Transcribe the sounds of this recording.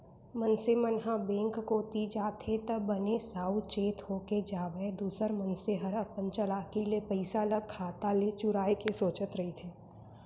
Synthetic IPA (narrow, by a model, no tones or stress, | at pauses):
mənsemənɦãbẽːŋkkoːt̪id͡ʒaːt̪ʰet̪əbənesaːut͡ʃeːt̪hoːked͡ʒaːʋəed̪uːsəɾmənseɦəɾɐpənt͡ʃəlaːkilepəɪsaləɡ̚kʰːaːt̪alet͡ʃʊɾaːekesoːt͡ʃət̪ɾɐɦit̪ʰeː